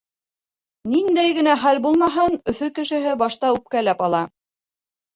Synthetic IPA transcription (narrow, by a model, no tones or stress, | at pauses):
nind̪æjɡɘ̆næχælbulˠmɑɦɤnɵ̆fɵkɘ̆ʃɘ̆ɦɘbɑʃt̪ɑʉp̚kælæpɑlˠɑ